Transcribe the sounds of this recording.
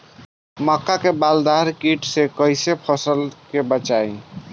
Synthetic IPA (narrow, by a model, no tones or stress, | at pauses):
məkːakebald̪aɾkiʈsekəjsepʰəsəlkebət͡ʃaj